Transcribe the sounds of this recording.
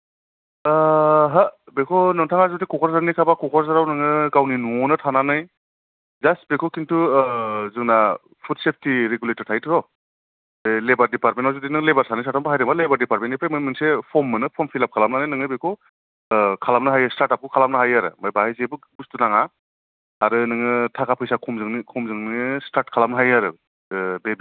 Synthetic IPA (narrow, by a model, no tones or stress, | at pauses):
ɦabekʰɔnɯŋtʰaŋazutikʰɔkʰɔɾzaɾnikʰabakʰɔkʰɔɾzaɾawnɯŋɯɡawninuɔnɯtʰananɯj | zastbekʰɔkʰintʰu | zɯŋna | pʰut̚sep̚ʰtiɾeɡuletɔɾtʰajtʰɾɔ | lebaɾdipaɾmentawzudinɯŋlebaɾsʰanɯjsataɔmbaɦajɾambalebaɾdipaɾ̚mentːipʰɾejmɯmɯnsepʰɔmːɯnɯpʰɔmpʰilap̚kʰalamnanɯjnɯŋɯjbekʰɔ | kʰalamnɯɦajastaɾtap̚kukʰalamnɯɦajaɾɯ̰majbahajzebɯɡustunaŋaː | ɾɯnɯŋɯtʰakʰapʰɯjsakʰɔmzɯŋnikʰɔmzɯŋnistaɾtkʰalamnɯɦajaɾɯ | bebi